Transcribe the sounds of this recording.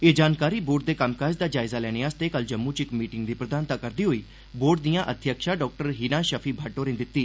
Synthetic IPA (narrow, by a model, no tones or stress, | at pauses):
eːd͡ʒaːnkaːɾiːboːɾʈ̚d̪eːkamkaːd͡ʒd̪aːd͡ʒaːɪzaːlɛːñeːaːst̪eːkəld͡ʒəmːũːt͡ʃɪkmiːʈɪŋɡd̪iːpɾəd̪aːnt̪aːkəɾd̪iːɦoːiː | boːɾʈ̚d̪ijãːʔət̪ʰjəkʃaːɖɔːk̚ʈəɾɦiːnaːʃəpʰiːbʱaːʈːoːɾẽːd̪ɪt̪ːiː